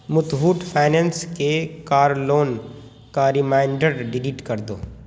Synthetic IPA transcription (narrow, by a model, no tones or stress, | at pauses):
mʊt̪ɦuːʈpʰaːɪnɛ̃nskekaːɾloːn | kaɾɪmaːɪ̃ɳɖəɾɖɪliʈkɐɾd̪o̰ː